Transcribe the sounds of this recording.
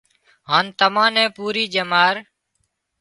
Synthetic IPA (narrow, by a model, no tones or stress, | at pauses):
ɦaːnt̪əmãːnɛ̃ːpuːɾiːd͡ʒəmaːɾ